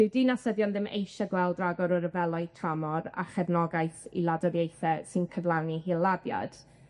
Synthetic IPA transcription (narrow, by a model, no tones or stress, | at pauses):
d̥ɪwdiːnasəðjɔnðɪmʔḛjʃaɡwɛlˠdraɡɔɾɔɾəvɛlˠɔɨtʰramɔɾa̰χɛvnɔɡajθḭlˠadɔɾjejθɛsɨnkʰəvlˠanihiːlˠːabja̰d̥